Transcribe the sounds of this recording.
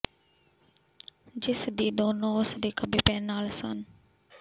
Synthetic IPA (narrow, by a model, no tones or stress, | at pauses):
d͡ʒisd̪id̪onosd̪ikabipɛnalsɔ̰n